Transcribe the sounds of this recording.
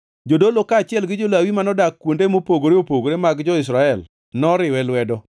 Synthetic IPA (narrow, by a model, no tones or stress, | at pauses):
d͡ʒodolokat͡ʃɪɛlɡɪd͡ʒolawimanɔdakːwondemopoɡoɾeopoɡoɾemaɡd͡ʒɔɪs̬ɾaɛl | nɔɾɪwɛlwɛdɔ